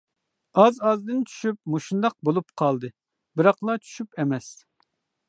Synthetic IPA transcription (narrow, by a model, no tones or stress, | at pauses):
ɑzɑzd̪ɨnt͡ʃʰy̥ʃyp̚muʃund̪ɑq̚bolˠupqʰɑlˠd̪ɨ | bɨɾɑqlˠɑt͡ʃʰy̥ʃypɛmɛs